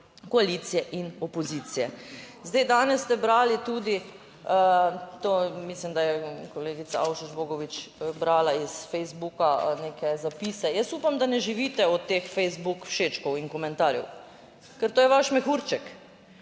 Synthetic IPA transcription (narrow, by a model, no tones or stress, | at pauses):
kɔalit̪sijɛʔinɔpɔziːt̪sijɛ | zd̪ajd̪aːnɛsːt̪ɛbɾaːlit̪uːd̪i | t̪omislimd̪ajɛkoleːɡit̪sa̰awʃɔd͡ʒboːɡɔʋit͡ʃbɾaːlaisfɛjzbukanekʰɛzapiːsɛjəsupamd̪anɛʒiʋit̪ɛɔt̪ːeːxfɛjzbukwʃeːt͡ʃkɔwiŋkɔmɛnt̪aːɾjɛ̰w | kɛɾt̪oːjɛʋaʃmɛxuɾt͡ʃɛk